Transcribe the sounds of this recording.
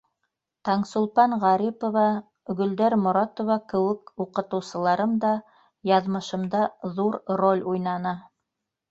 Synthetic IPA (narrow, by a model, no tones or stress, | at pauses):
t̪ɑɴsolˠpɑnʁɑɾʲipovɑ | ɵɡɵ̆ld̪æɾmŏɾɑt̪ŏvɑkɘ̆wɘkuqɤ̆t̪ɤ̆wsɤ̆lˠɑɾɤmd̪ɑ | jɑðmɤ̆ʃɤ̆md̪ɑðuɾrolʲujnɑnɑ